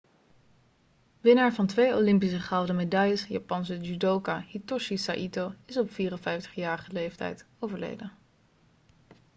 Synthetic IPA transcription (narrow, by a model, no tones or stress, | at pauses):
ʋɪnaːɹvɑntʋejolɪmpisəχɛwdəmedɑjəsja̰pɑnsəd͡ʒydowkahitɔʃisa̰ʔitowɪsɔpfiːrənfɛjftə̥χjaːɹχəlejftɛ̰jt | owvəɹlḛjdə